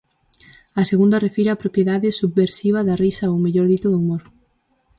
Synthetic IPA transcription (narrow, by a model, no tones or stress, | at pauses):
aseɣund̪ɐrefiɾapɾopjeðaðɪsuβːeɾsiβ̞ɐðarisaowmeʎoɾðit̪oðoumoɾ